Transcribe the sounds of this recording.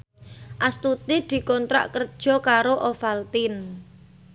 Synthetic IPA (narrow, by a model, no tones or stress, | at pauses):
ʔast̪ut̪id̪̥i̤kɔnt̪ɾa̰ʔkərd̥ʒ̥ɔ̤kaɾoʔofalt̪ɪn